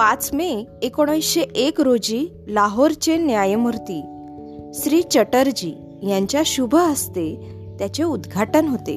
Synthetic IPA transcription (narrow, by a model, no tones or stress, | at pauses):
pat͡smeekoɽ̃jsɕeʔekɾod͡ʑiː | laɦoɾt͡ɕenjajmuɾt̪iː | ɕɾiːt͡ɕəʈəɾd͡ʑiː | jãɲt͡ɕjaɕubʱəəst̪e | t̪jat͡ɕeud̪ɡʱaʈənɦot̪ḛ